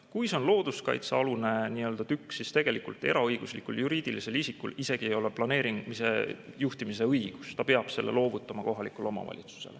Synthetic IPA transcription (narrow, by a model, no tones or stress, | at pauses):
kujso̞nlo̞ːd̪̥uskɑ̰jt̪sɑlune̞niø̞ld̪̥ɑt̪ykːsːist̪e̞ɡ̥e̞likṵlt̪ˑe̞̰ɾɑɤjɡ̥uslikːuljuɾiːd̪̥ilise̞lisikːṵlise̞ɡ̥ie̞jo̞le̞plɑne̞ːɾiŋmise̞̰juht̪imise̞ɤjɡ̥ust̪ɑpe̞ɑb̥se̞lːe̞̰lo̞ːvut̪ˑːɑmɑko̞ɦɑlikˑulo̞mɑ̰vɑ̰lʲʔḭt̪su̥se̞̰le